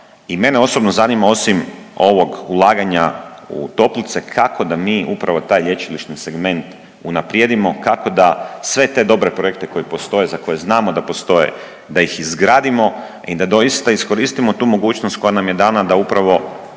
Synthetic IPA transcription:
ime̞neo̞sobno̞zanimao̞simo̞ʋo̞ɡulˠaːɡaɲaṵt̪o̞plit̪se̞kʰakʰo̞d̪amiːupɾaʋo̞t̪aːjʎʲe̞t͡ʃiliʃt̪nise̞ɡme̞nt̪ | unapɾjed̪imo̞kako̞d̪asʋe̞t̪e̞d̪o̞bɾe̞pɾoek̚t̪e̞ko̞jipo̞st̪o̞jezako̞jeznaːmod̪apo̞st̪o̞jḛ | d̪aixizɡɾaːd̪imo̞ | id̪ad̪o̞jist̪aisko̞ɾiːst̪imo̞t̪uːmo̞ɡuːt͡ʃnost̪̚ko̞janamje̞d̪aːnad̪aupɾaʋo̞

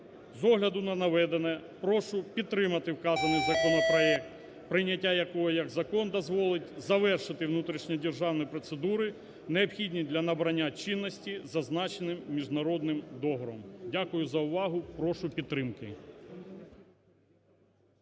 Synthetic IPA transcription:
zɔɦlʲɐd̪ʊnɐnɐʋɛd̪enɛpɾɔʃʊpʲid̪̚t̪ːɾɪmɐt̪ɪwkɑzɐnɪjzɐkɔnɔpɾɔɛk̚t̪ | pɾɪnʲːɐtʲːajɐkɔɦɔjɐɡzɐkɔnd̪ɔzʋɔlˠɪtʲzɐʋɛrʃɪt̪ɪwnut̪ɾʲiʃnʲidʲerʒɑwnɔjpɾɔt̪sed̪uɾɪ | neɔpxʲidʲnʲid̪lʲɐnɐbɾɐnʲːat͡ʃɪnːɔsʲtʲizɐznɑt͡ʃenɪmːʲiʒnɐɾɔd̪̚nɪmd̪ɔɦɔɾɔmdʲakʊjʊzɐʊʋɑɦʊpɾɔʃʊpʲid̪t̪ːɾɪmkɪ

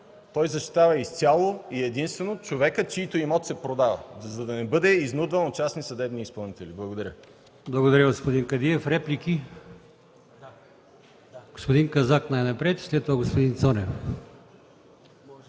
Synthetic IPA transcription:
t̪ɔjzɐʃt̪i̥t̪avɐist̪ʲalˠoiɛd̪inst̪vɛnot͡ʃovɛkət͡ʃiːt̪oimɔt̪sɛpɾod̪avɐ̰zɐd̪ɐnɛbɤd̪ɛiznud̪vɐnot͡ʃasnisɐd̪ɛbniːspɐlˠnit̪ɛlʲiblˠɐɡod̪ɐɾʲə | blˠɐɡod̪ɐɾəɡospod̪iŋkɐd̪iɛfɾɛplʲikʲi | ɡ̥ospod̪iŋkɐzaknajnɐpɾɛt̪slɛt̪ːovaɡospod̪int̪sɔnɛf

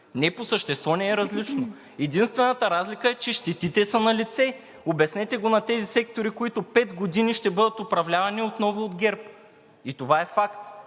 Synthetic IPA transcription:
nɛposəʃt̪ɛst̪vɔnɛːɾɐzlit͡ʃno | ɛd̪inst̪vɛnɐt̪əɾazlikəɛt͡ʃɛʃt̪ɛt̪it̪ɛsənɐlit̪sɛ | obɛsnɛt̪ɛɡonɐt̪ɛzisɛkt̪oɾikoit̪opɛt̪ɡod̪iniʃt̪ɛbɤd̪ət̪opɾɐvlʲavɐniot̪nɔvʊːd̪ɡʲɛɾp | it̪ovaɛfakt̪

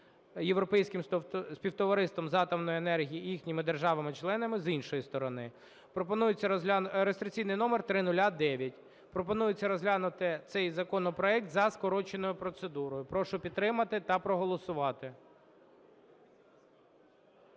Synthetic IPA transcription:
jewɾɔpɛjsʲkɪmsʲpʲiwt̪ɔʋɐɾɪst̪ʋɔmzɑt̪ɐmnɔjʊenɛrɦʲijijixnʲimɪd̪erʒɑʋɐmɪt͡ʃlˠɛnɐmɪzinʃɔjist̪ɔɾɔnɪ | pɾɔpɔnujɪt͡sʲːɐɾest̪ɾʲɪkʲt͡sʲijnɪjnɔmert̪ɾɪnʊlʲad̪ɛʋʲjɐtʲ | pɾɔpɔnujɪt͡sʲːɐɾɔzɦlʲanʊt̪ɪt̪sɛjzɐkɔnɔpɾɔɛk̚t̪zɐskɔɾɔt͡ʃenɔjʊpɾɔt̪sed̪uɾɔjʊpɾɔʃʊpʲid̪̚t̪ɾɪmɐt̪ɪt̪ɐpɾɔɦɔlˠɔsʊʋɑt̪ɪ

